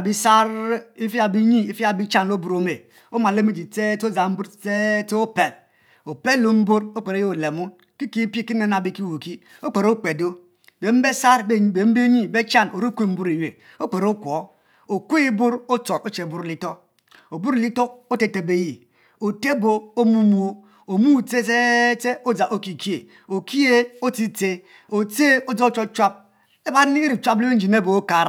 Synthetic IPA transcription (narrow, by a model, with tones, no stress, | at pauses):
a˨bi˦sa˦ɾi˦fi˦a˨bi˦ɲi˦i˨fi˦a˨bi˦t͡ʃa˦n˨lo˦bu˨ɾo˨me˨ | o˦ma˨le˦me˦d͡ʒi˨te˦to˦˨za˨m̩˦bu˦ɾte˦to˦pe˨l | o˨pe˦lo˦m̩˦bu˦ɾo˦k͡pe˨ɾe˦jo˦o˨le˨mu˦ | ki˦ki˦pi˦˨ki˦ne˦na˨bi˦ki˦wu˨ki˦ | o˦k͡pe˨ɾo˦k͡pe˨do˦ | be˨m̩˦be˦sa˦ɾbe˨m̩˦be˦ɲi˦be˦t͡ʃa˦no˨ɾo˦kʷu˦˨m̩˦bu˦ɾi˨je˨ | o˦k͡pe˨ɾo˦kʷo˨˦ | o˨kʷe˦i˦bu˦ɾo˦t͡so˨ɾo˦t͡ʃe˨bu˦ɾli˦to˦ | o˨bu˦ɾli˦to˦ko˦te˨te˨be˦ji˨ | o˨te˦bo˨o˦mu˦mu˦o˦ | o˨mu˦˨te˦se˦te˦o˦d͡za˨ʔo˦ki˨ki˦e˨ | o˨kʰi˦e˦o˦ti˦te˦ | o˨t͡se˦o˦d͡za˦o˦t͡ʃo˦t͡ʃwa˦p̚ | e˦ba˦ɾi˨t͡ʃʷa˦ple˦e˦n̩˦d͡ʒi˨ne˦bo˨o˦ka˨ɾ